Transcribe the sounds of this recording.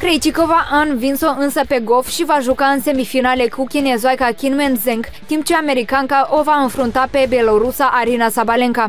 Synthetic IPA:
kɾejt͡ʃikovaʔanvinsoɨnsəpe̞ɡo̞lfʃivaʒukaɨnse̞mifinale̞kukʲinezajkakʲinmenzeŋkt̪imp̚t͡ʃeame̞ɾikaŋkaʔo̞vaɨnfɾunt̪ape̞be̞lo̞ɾusaʔaɾinasabaleŋka

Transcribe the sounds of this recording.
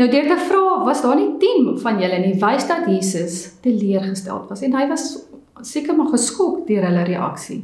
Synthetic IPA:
nəwdyərtəfrɑːvɐsdɑːnitimfɐnjələnivɛjsdɐtjiːsəstəliərχəstæ̰lˠtvɐsɛnɦəjvɐsː | ikərmɑχəskɔkdøəɾɦələɾəʔɐ̰ksḭ

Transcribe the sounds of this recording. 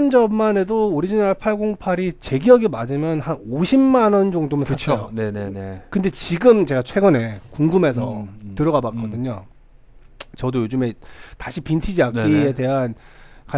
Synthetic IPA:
nd͡ʑʌmːane̞doːɾid͡ʑinaɭpʰaɭɡoŋpʰaɾit͡ɕe̞ɡiʌɡimad͡ʑimjʌnhanoɕʰimːanʌnd͡ʑoŋdomɯnʰat͡ɕʰoneneekɯnde̞t͡ɕiɡɯmt͡ɕe̞ɡat͡ɕʰwe̞ɡɯne̞kuŋɡume̞s̬ʰʌtɯɾʌɣabakk͈ʌdɯɲo | t͡ɕʌdojod͡ʑɯme̞taɕʰipintʰid͡ʑiakk͈iete̞ɦanka

